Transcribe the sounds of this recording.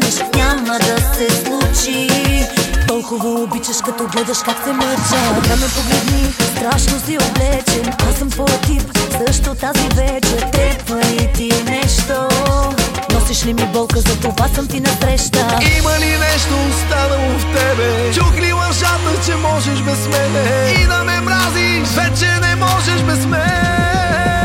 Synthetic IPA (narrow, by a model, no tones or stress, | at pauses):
ɛʃɲʲaməd̪ɐsɛslˠut͡ʃi | t̪ɔlˠkʊvəobit͡ʃəʃkɐt̪ɔbəd̪ɛʃkaksɛməɾt͡ʃək̪amɛpoɡlɛd̪nist̪ɾaʃnost̪ioblɛt͡ʃɛmasəmpoɾɐt̪ifsəʃt̪ot̪azivɛt͡ʃət̪ɾɛbvəit̪inɛʃt̪o | nɔsiʃlimibolˠkəzɐt̪ovasɐmt̪inɐt̪ɾɛʃt̪əimɐninɛʃt̪ʊst̪anɐʊft̪ɛbe | t͡ʃokɾimɐʃat̪ɐt͡ʃɛmɔʒeʃbɛzmɛne | inɐmɛbɾazi | ʃvɛt͡ʃɛnɛmɔʒeʃbɛzmɛ